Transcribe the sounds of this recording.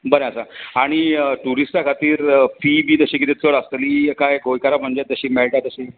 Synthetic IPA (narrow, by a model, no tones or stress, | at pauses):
bəɾẽəsaaɽ̃iʈuɾisʈakʰat̪iːɾfibiːt̪əɕiːkit̪it͡səɭəsliːkajɡʱojkaɾam̤əɳd͡ʑeəɕiːmeɭʈat̪əɕiː